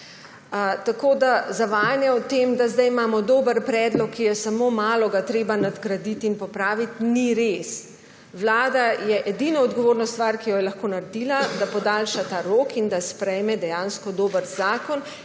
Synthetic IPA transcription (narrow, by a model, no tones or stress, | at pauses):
t̪akoːd̪azaʋaːjanjɛwt̪emd̪azd̪ajmaːmɔd̪oːbəɾpɾɛːd̪lɔkʰːijɛsamomaːlɔɡat̪ɾeːbanad̪ɡɾad̪it̪inpɔpɾaːʋit̪niɾes | wlaːd̪ajɛʔɛd̪inɔɔd̪ɡɔʋoːɾnɔst̪ʋaːɾkijɔjɛlaxkoːnaɾɛd̪iːlad̪apɔd̪alʃat̪aːɾoːkind̪aspɾɛjmɛd̪ɛjanskɔd̪oːbəɾzaːkɔn